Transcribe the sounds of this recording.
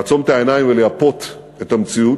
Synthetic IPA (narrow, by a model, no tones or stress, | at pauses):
t͡so̞met̪ae̞najiɱveleapo̞t̪ | e̞tamt͡siu